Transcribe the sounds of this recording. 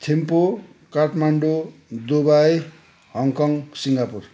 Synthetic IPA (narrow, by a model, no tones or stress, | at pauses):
t̪ʰempo | kaʈʰmaɳɖod̪obaj | hʌŋkʌŋsiŋɡapur